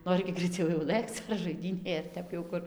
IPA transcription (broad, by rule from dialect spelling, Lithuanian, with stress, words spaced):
ˈnoːrʲɪ ɡʲɪ ɡrɐɪˈt͡sʲɛʊ jɛʊ ˈlˠɘkt͡s ɐr ʒɐɪˈdʲiːnʲeːj ɐr ˈtʲɛp jɛʊ ˈkʊr